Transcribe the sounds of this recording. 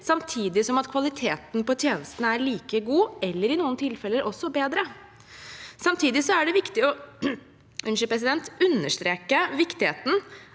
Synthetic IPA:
sɑmt̪ʰiːd̪ɪsɔmɑt̪kʰʋɑlɪt̪ʰeːt̪npɔt̪ʰjeːnəst̪ənəæɾɭiːkəɡuːɛlːəɾɪnuːənt̪ʰɪlfɛlːəɾʔɔsːɔbeːd̪ɾə | sɑmt̪ʰiːd̪ɪsɔæɖɛʋɪkt̪ɪɔ | ʔʉnʃəpɾɛs̬ɪd̪ɛnt̪ʉnːəʂt̪ɾeːkəʋɪkt̪ɪheːt̪n̩

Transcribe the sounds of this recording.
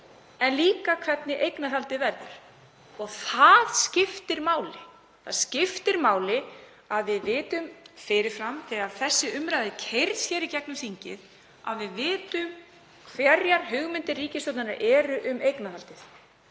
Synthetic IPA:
ɛnliːkakʰv̥ɛt̪nɪʔejknaðalt̪ɪvɛɾðɪɾ̥ | ɔɣθaðscɪft̪ɪɾmaːwlɪ | θaðscɪft̪ɪɾmaːwlɪ | aðvɪðvɪːt̪ʏmfɪɾɪɾ̥fɾamt̪ʰɪaðθɛsːɪʏmɾajðɪcʰejɾðsçɛːɾicɛknʏmθiɲcɪð | a̰ðvɪðvɪːt̪ʏm | kʰvjɛɾjaɾ̥ɦʏɣmɪnt̪ɪrriːcɪsɔt̪nana̰ʔɛːɾʏʔʏmejknaðalt̪ɪθ

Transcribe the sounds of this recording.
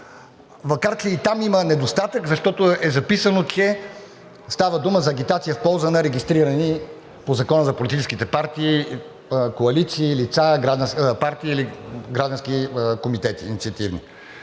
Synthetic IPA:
vɐkaɾt͡ʃ̪ɛit̪amimənɛd̪ost̪at̪əkzɐʃt̪ɔt̪oɛzɐpisənot͡ʃɛ | st̪avəd̪uməzɐːɡʲit̪at̪sijəfpɔlˠzənɐɾɛɡʲist̪ɾiɾɐni | pozɐkɔnəzɐpolit̪it͡ʃɛskit̪ɛpaɾt̪iː | koɐlit̪siːlit̪saɡɾaʒd̪ɐ̃paɾt̪iːliɡɾaʒd̪ɐ̃nskikomit̪ɛt̪iːnit̪siɐt̪ivni

